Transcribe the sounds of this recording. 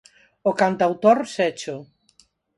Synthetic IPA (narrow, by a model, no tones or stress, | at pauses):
okant̪awt̪oɾsɛt͡ʃʊ